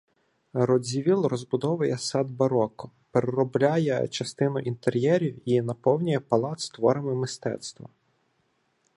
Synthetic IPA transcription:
rɔd͡zʲiʋʲilˠrɔzbʊd̪ɔʋɐjɛsɑd̪bɐɾɔkɔ | peɾeɾɔblʲajɛ̰t͡ʃɐst̪ɪnʊʔint̪eɾʲjɛɾʲiwinɐpɔwnʲʊjɛpɐlˠɑt̪st̪ʋɔɾɪmɪmɪst̪ɛ̰t̪st̪ʋɐ̰

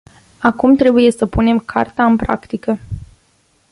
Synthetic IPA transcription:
akumt̪ɾe̞buje̞səpune̞mkʰa̰rt̪aɨmpɾa̰kt̪ikə

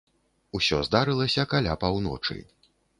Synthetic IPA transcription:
usʲɔzd̪aɾɨlˠɐsʲɐkalʲapawnɔ̰t͡ʂɨ̰

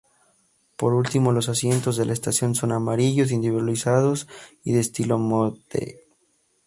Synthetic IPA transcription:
po̞ɾult̪imo̞lo̞sasje̞nt̪o̞zðe̞laest̪asjo̞nso̞namaɾiʝo̞s̬ind̪iβiðwalisað̞o̞s | ḭðeːst̪ilo̞mot̪ḛ

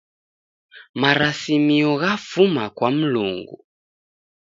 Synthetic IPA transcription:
maɾasimiɔɣafumakwam̩lṵŋɡṵ

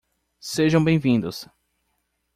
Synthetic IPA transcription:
seʒɐ̃w̃bẽj̃vĩnd̪ʊs

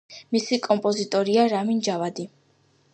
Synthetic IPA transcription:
misikʼɔmpʼɔzit̪ʼɔɾiaɾamind͡ʒavad̪i

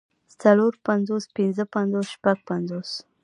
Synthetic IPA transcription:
t͡saloɾpanzospɪnzəpanzosʃpaɡ̚panzos

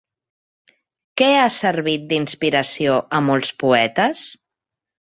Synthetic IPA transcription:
kɛasəɾβit̪̚d̪inspiɾəsioʔəmɔlˠspuɛt̪əs

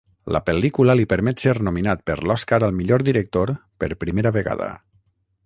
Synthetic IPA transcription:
lə̰pəlikuləlipəɾmɛt̪seɾnuminat̪̚pə̰ɾlɔskaɾəlˠmiʎoɾd̪iɾək̚t̪oɾpə̰ɾpɾimeɾəβeɣa̰ðə̰

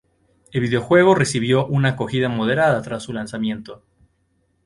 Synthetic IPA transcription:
elβiðeo̞xwe̞ɣ̞o̞re̞siβ̞jo̞ʔunako̞xiðamo̞ð̞e̞ɾaðat̪ɾasːulansamje̞nt̪o̞

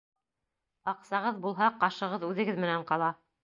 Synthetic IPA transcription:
ɑqsɑʁɤðbulˠɦɑqɑʃɤ̆ʁɤðʉðɘ̆ɡɘðmɘ̆næɴqɑlˠɑ

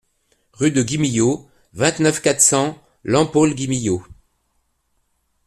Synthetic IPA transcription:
ʁyd̪əɡʲimijo | vɛ̃t̪nœfkat̪χsɑ̃ | lɑ̃polɡʲimijo

